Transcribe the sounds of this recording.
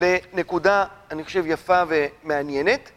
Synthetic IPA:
le̞ne̞kudaːniχo̞̥ʃe̞vjafave̞meanjenet̪

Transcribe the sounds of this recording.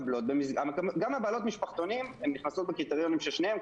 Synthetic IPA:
blot̪̚bemizamekɡamabaːlo̞t̪miʃpaχt̪o̞nimemniχnaso̞t̪̚bekit̪eʁjo̞nimʃelʃnehem

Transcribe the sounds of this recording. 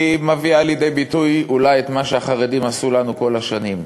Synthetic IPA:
imaviaːljed̪e̞jbitujulajet̪maʃeaχaʁedimasulanuko̞laʃanim

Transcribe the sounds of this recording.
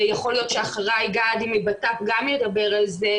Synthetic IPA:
jaχo̞ljo̞t̪ʃeaχaʁajɡaːd̪imibat̪afɡamled̪abe̞ʁalze

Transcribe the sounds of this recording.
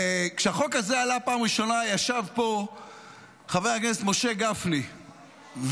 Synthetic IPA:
kʃeaχo̞kazealapaːmʁiʃo̞najaʃavpo̞ | χavejhakneset̪mo̞ʃe̞ɡafli | v

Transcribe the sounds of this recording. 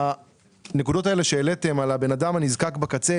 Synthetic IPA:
a | nekudo̞tae̞le̞ʃeːle̞te̞malabe̞nadamhanizkakbakat͡se

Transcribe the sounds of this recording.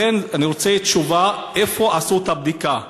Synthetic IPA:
enaniʁot͡seitt͡ʃuvaʔefoʔasut̪ab̚d̪ika

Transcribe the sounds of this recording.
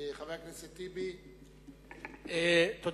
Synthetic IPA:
χavejakniset̪ibi | et̪od̪

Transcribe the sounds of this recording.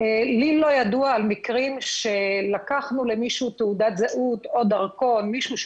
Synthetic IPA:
elilo̞jaduaːlmikʁimʃelakaχnulemiʃut̪eudat̪zaʔut̪o̞daʁko̞nmiʃuʃ

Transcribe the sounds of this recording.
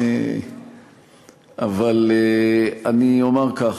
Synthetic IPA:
avaleaniomeʁkaχ

